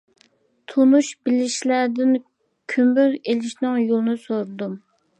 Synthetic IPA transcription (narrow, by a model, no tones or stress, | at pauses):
t̪ʰonuʃbɪlɪʃlæɾd̪ɪn | kʲʰymbyɾelɪʃnɨŋjolˠnɨsoɾd̪um